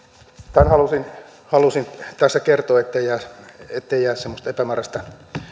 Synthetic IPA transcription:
t̪ænhɑlusin | hɑlusint̪æsːækert̪oːet̪ːeijæːet̪ːeijæːssemːost̪epæmærɑst̪ɑ

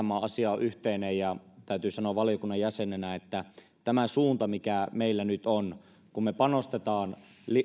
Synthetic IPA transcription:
mːˑɑːʔɑsiɑoʔyht̪einejjɑt̪æyt̪yːsɑnoːʋʋɑlijokunːɑjæsenenæet̪ːæ | t̪æmæsuːnt̪ɑmikæmeilːænyt̪on | kummepɑnost̪et̪ɑːnl

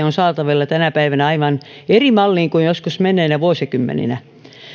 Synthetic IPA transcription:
onsɑːt̪ɑʋelːɑt̪ænæpæiʋænæɑiʋɑn | erimɑlːiːŋkujjoskusmenˑeːnæʋuosekymːḛnḭnæ

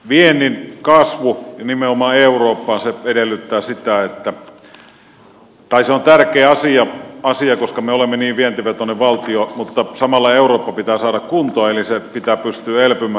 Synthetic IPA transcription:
ʋienːˑinkɑsʋujɑnimeomɑːeuroːpːɑːnseedelːˑyt̪ːæːsit̪æet̪ːæ | t̪ɑiseont̪ærkeːɑsiɑɑsiɑkoskɑmeolemːeniːʋʋient̪yʋæt̪onːeʋʋɑlt̪iomut̪ːɑsɑmɑlːɑeˑuroːpːɑpit̪æːsɑːɾɑkkunt̪oɑelisepit̪æːpyst̪yːæelpymˑæ

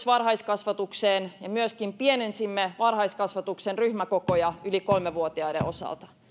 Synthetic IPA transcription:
sʋɑrɦɑijskɑsʋɑt̪ukseːnjɑmyøskimpienensimːeʋɑrhɑiskɑsʋɑt̪uksenryhmækokojɑylikolmeʋuot̪iɑidḛʔo̞sɑ̰lt̪ɑ̥

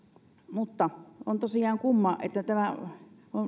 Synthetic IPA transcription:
mut̪ːɑont̪osiɑːŋkumːɑʔʔḛt̪ːæt̪æmæ | on

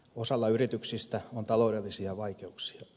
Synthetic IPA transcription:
osɑlːɑyrit̪yksist̪æont̪ɑloːdelːisiɑʋɑikeuksi̥ɑ

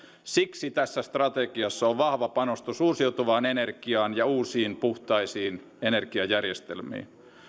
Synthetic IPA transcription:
siksit̪æsːæst̪rɑt̪ekiɑsːɑoʋʋɑhʋɑpɑnost̪usuːsiut̪uʋɑːnenerkiɑːnjɑuːsiːnpuht̪ɑisiːn | enerkiɑjærjest̪ḛlmḭːn

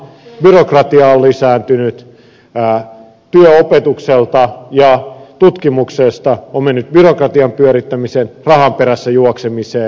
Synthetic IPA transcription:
byrokrɑt̪iɑolːisæːnt̪ynyt̪ː | t̪yøopet̪ukselt̪ɑjɑt̪ut̪kimuksest̪ɑommenːyt̪̚byrokrɑt̪iɑmpyøɾit̪ːæmisenrɑhɑmpeɾæsːæjuoksemiseː

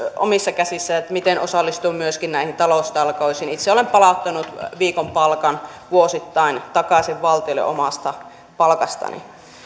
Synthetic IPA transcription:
o̰misːɑkæsisːæet̪mit̪enosɑlːist̪umyøskinnæˑihint̪ɑlost̪ɑlkoisiːnit̪seolempɑlɑˑut̪ːɑnut̪ʋiːkompɑlkɑnʋuosit̪ːɑint̪ɑkɑˑsiʋʋɑlt̪iolːḛʔomɑst̪ɑ | pɑlkɑst̪ɑ̰nḭ

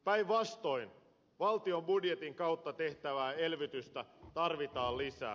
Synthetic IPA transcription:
pæiʋʋɑst̪o̞in | ʋɑlt̪io̞mbudjet̪iŋkɑwt̪ːɑt̪e̞ht̪æʋæːelʋit̪yst̪æt̪ɑrʋit̪ɑːllisæ̰ː

